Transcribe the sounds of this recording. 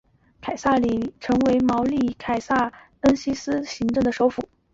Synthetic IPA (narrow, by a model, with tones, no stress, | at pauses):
kʰa˨˩ɪsa˥˩li˨˩ʈ͡ʂʰɤ˧˥ŋwe˧˥ɪmɑ˧˥ʊli˥˩kʰa˨˩ɪsa˥˩ | ə˥nɕi˥sɹ̩˥ɕi˧˥ŋʈ͡ʂɤ˥˩ŋd̪ə˩ʂo˧˥ʊfu˨˩˦